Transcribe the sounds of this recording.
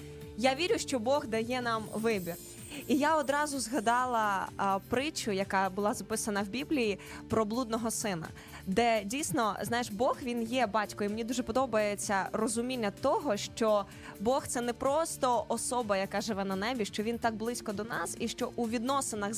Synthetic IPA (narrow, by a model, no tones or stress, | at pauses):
jaʋʲiɾʲʊʃt͡ʃɔbɔɣd̪ɐjɛnɑmʋɪbʲir | ijaɔd̪ɾɑzʊzɦɐd̪ɑlˠɐpɾɪt͡ʃʊjɐkɑbʊlˠɑzɐpɪsɐnɐwbʲiblʲiji | pɾɔblˠud̪̚nɔɦɔsɪnɐ̰ | d̪ɛdʲijsnɔznajeʃbɔxʋʲinjɛbɑtʲkɔjimenʲid̪uʒɛpɔd̪ɔbɐjet͡sʲːɐrɔzʊmʲinʲːɐt̪ɔɦɔʃt͡ʃɔ | bɔxt̪sɛnɛpɾɔst̪ɔʔɔsɔbɐjɐkaʒɪʋɛnɐnɛbʲiʃt͡ʃɔʋʲint̪ɑɡ̚blˠɪsʲkɔd̪ɔnɑsiʃt͡ʃɔʔuʋʲid̪nɔsenɐɣ